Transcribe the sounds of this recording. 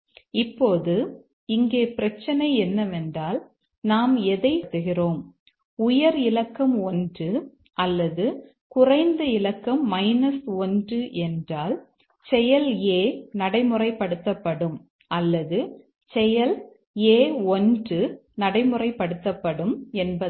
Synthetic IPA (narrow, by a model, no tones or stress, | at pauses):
ɪpːoːðɯ | ɪŋɡeːpɪɾɐt͡ʃːɐnɐɪɛnːɐʋɛndraːl | naːmɛðɐɪt̪ːɯɣɪroːm | ʊjɐɾɪlɐkːɐmɔndrɯ | ʔɐlːɐðɯ | kʊrɐɪnd̪ɐɪlɐkːɐmːɐɪnɐsɔndrɯʔɛndraːl | t͡ʃɛjɐleːnɐɽɐɪmɯrɐɪpːɐɽɯt̪ːɐpːɐɽɯm | ʔɐlːɐðɯ | t͡ʃɛjɐl | eːɔndɯnɐɽɐɪmɯrɐɪpːɐɽɯt̪ːɐpːɐɽɯmɛnbɐ